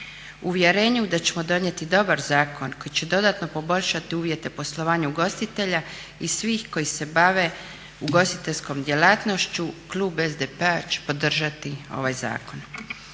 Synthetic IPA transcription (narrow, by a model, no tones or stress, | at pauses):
uʋje̞ɾeːɲud̪at͡ɕe̞mo̞d̪o̞nje̞t̪id̪o̞baɾzaːkʰo̞nko̞jit͡ɕe̞d̪o̞d̪at̪no̞po̞bo̞ʎʃat̪iuːʋje̞t̪e̞po̞slˠo̞ʋaːɲuɡo̞st̪it̪e̞ʎa | isʋiːxko̞jise̞baʋe̞ | uɡo̞st̪it̪eʎʲsko̞md̪jelaːt̪no̞ʃt͡ɕuklˠuːbe̞zd̪epeat͡ɕe̥po̞d̪r̩ʒat̪io̞̰ʋajza̰ːko̞n